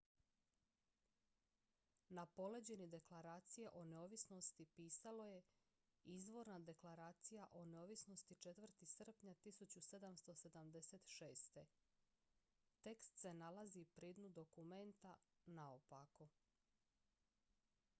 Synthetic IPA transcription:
napo̞le̞d͡ʑe̞nid̪e̞klaɾaːt̪sijeʔo̞neo̞ʋisno̞st̪ipiːsalo̞je̞ | izʋo̞ɾnad̪e̞klˠaɾaːt̪sijaʔo̞neoʋisno̞st̪it͡ʃe̞t̪ʋr̩t̪isr̩pɲat̪isut͡ɕuse̞d̪amst̪o̞se̞d̪amd̪e̞set̪ʃeːst̪e̞ | t̪e̞kst̪se̞nalazipɾiːd̪nud̪o̞kume̞nt̪anaopako

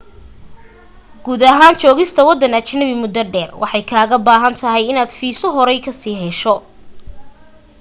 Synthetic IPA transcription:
ɡ̥uːd̪ɐɦaːnt͡ʃɔːɣɪst̪ʰɐwɑd̪ɐnɐt͡ʃnɐβɪmʊd̪ɐɖɛːrwʔɑ̰ħɑjkʰaːɣɐbaːɦɐnt̪ʰɐɦɛjɪnaːd̪̥fiːsɔɦɔɾɛjkʰɐsiːɦɛʃɔ

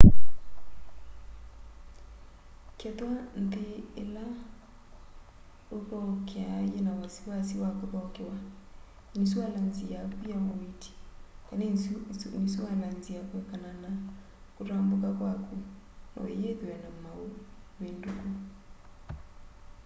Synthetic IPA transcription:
kɛt̪wan̩t̪eːla | okɔkeajenawasiwasiwakobɔkewa | nisualanziakujamomiti̥kanenisualanziakɛkanana | kuɾambokakwaku | nʔɔ̰ejeðewɛnamaowenduɡo

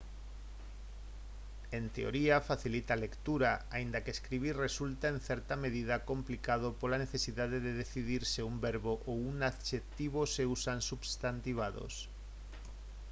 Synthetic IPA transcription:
ent̪eo̰ɾiafaθilit̪alekt̪uɾaaind̪akeskɾiβ̞iɾresult̪aẽn̟θɛɾt̪ameðiðakomplikað̞opolaneθesiðaðeðeðeθiðiɾseumbeɾβoʔowunaðʃet̪iβoseusansubst̪ant̪iβ̞aðo̰s

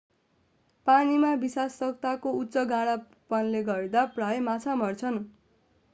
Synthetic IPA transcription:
panimabisasʌkt̪akoutːsʌɡãɽa | pʌnleɡʌɾed̪aprajmat͡sʰamʌrt͡sʰʌn

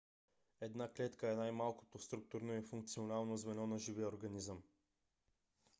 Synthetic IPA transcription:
ɛd̪naklɛt̪kəɛnajmalˠko̥t̪ost̪ɾuk̚t̪uɾnoifuŋk̚t̪sionalˠnozvɛnɔnɐʒivioɾɡɐnizəm

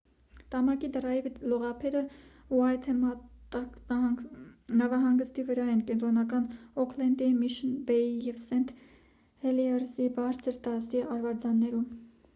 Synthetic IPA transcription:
t̪ɑmɑkid̪ərɑjivlɔʁɑpʰɛɾəuɑjt̪ʰɛ | nɑvɑɦɑŋɡəst̪ivəɾɑɛnkɛnt̪ɾɔnɑkɑnɔkʰlɛnd̪imiʃənbɛijɛvsɛnt̪ʰ | hɛliɛrsibɑɾt͡sʰəɾt̪ɑsiɑɾvɑɾd͡zɑnːɛɾum

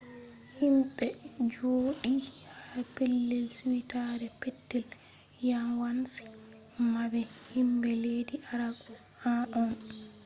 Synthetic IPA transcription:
himɓɛd͡ʒoːɗihapelːɛlswitaɾɛpɛtːɛl | jamwansi̥ | mabɛhimbɛlediʔaɾaɡɔ | haʔɔn

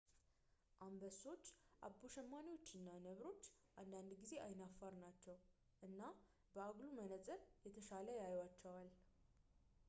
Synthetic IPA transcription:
ʔambəso̞t͡ʃːʔa̰boʃɛmːanijwo̞t͡ʃːɨnːanəβɾo̞t͡ʃːʔand̪and̪ɡize̞ʔajnafːaɾnat͡ʃːɛw | ʔɨnːa | bəaɡlumənət͡sʼɨɾjɛt̪ʰəʃaləjajwat͡ʃːɛwal

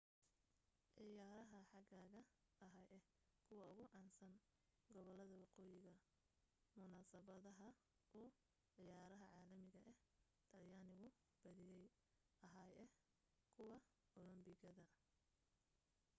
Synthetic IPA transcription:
ʕɪjaːɾɐɦɐħɑɡaːɣɐɐɦɐjɛh | kʰʊwɑʊɣʊʕɑːnsɐn | ɡɔβɔlɐðɐwɑqɔːjɪɣɐ | mʊnaːsɐβɐðɐɦɐ | ʔɔː | ʕɪjaːɾɐɦɐʕaːlɐmɪɣɐʔɛh | t̪ʰɐrjaːnɪɣʊ | b̥ɐðɪjɛj | ʔɐɦaːjɛ | kʰʊwɑ | ɔlɔmbɪɣɐðɐ

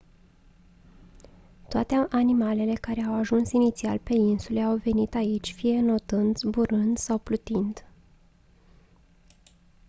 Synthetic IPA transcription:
t̪oat̪eʔanimale̞le̞kaɾe̞awaʒunsinit̪sia̰lpe̞insule̞awve̞nit̪ait͡ʃʲfije̞no̞t̪ɨnd̪buɾɨnd̪sawplut̪ind̪

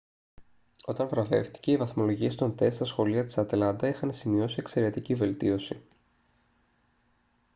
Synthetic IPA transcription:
o̞t̪ɐɱvɾɐve̞̰fθt̪i̥ce̞ivɐθmo̞lo̞ʝiest̪o̞nt̪e̞stst̪ɐsxo̞liɐt̪i̥sɐt̪lɐnd̪ɐixɐnsimio̞sie̞kse̞ɾe̞t̪icive̞lt̪io̞si

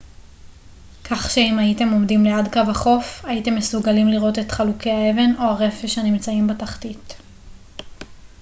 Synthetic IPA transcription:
kʰaχʃeimaite̞mo̞mdimleadkavaχo̞faite̞mːe̞suɡalimliʁo̞te̞tχalukeae̞ve̞no̞aʁe̞feʃanimt͡saimbetaχtit

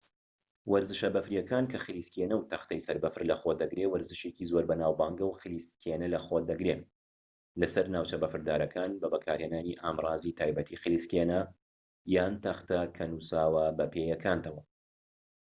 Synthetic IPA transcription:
wɐɾzɨʃɐbɐfɾijɐkaːnkʰɐxɨliːskenɐwt̪ʰɐxt̪ʰɐjsɐɾbɐfɨɾlɐxod̪ɐɡɾewɐɾzɨʃecizoːɾbɐnaːwbaːŋɡɐwxɨliskʰenɐlɐxoːtd̪ɐɡɾe | lɐsɐɾnaːwt͡ʃɐbɐfɨɾd̪aːɾɐkʰaːnbɐbɐkʰaːɾheːnaːniʔaːmrɑːzit̪ʰaːjbɐt̪ʰixɨliskenɐ | jaːnt̪ɐxt̪ɐkʰɐnuːsaːwɐbɐpʰeːjɐkʰaːnt̪ɐwɐ

